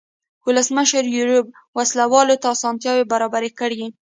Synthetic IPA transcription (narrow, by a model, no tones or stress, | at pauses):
wʊləsməʃəɾjuɾub̚ | waslawɑlot̪ɑːsɑnt̪jɑwebaɾɑbaɾekəɽi